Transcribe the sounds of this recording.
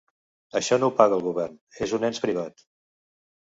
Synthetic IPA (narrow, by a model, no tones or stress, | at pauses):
əʃɔnowpaɣəːlˠɣuβɛrnezunɛnspɾiβ̞at̪